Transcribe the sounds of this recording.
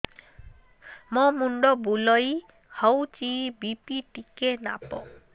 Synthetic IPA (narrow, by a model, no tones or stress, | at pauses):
mɔmuɳɖɔbuloji | hɔwt͡ɕibipiʈikena̰pɔ̰